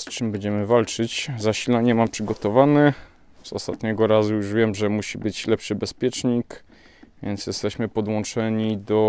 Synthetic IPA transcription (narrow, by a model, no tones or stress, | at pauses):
st͡ʂɘmbɛɲd͡ʑɛmɘvalt͡ʂɘt͡ɕzaɕilaɲɛmampʂɘɡɔt̪ɔvanɘ | zɔ̰st̪a̰t̪ɲɛɡɔɾazujuʐvʲjɛmʐɛmuɕibɘt͡ɕlɛpʂɘbɛspʲjɛt͡ʂɲik | vʲjɛnt̪sjɛst̪ɛɕmɘpɔd̪wɔ̃nt͡ʂɛɲid̪ɔ